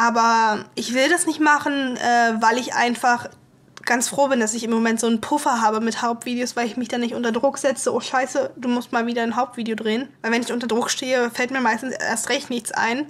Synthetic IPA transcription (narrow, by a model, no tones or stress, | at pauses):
ʔaːbɐʔɪçv̥ɪldasnɪçtmaχn̩ʔɛːvaɪlɪçʔa̰ɪnfaχ | ɡ̥ant͡sfʁ̥oːbɪnd̥asɪçɪmːomɛntz̥oːnpʰʊfɐɦaːbəmɪthaʊp̚tv̥iːdeoːsv̥aɪlɪçmɪçd̥anɪçtʔʊntɐdʁʊkz̥ɛt͡səʔoːʃaɪsəd̥uːmʊstmaːlviːdɐnɦaʊp̚tv̥iːdejodʁeːənvaɪlvɛnɪçʔʊntɐdʁʊkʃteːəfɛltmiːɐmaɪstn̩sʔḛːɐstʁɛçtnɪçt͡sʔa̰ɪn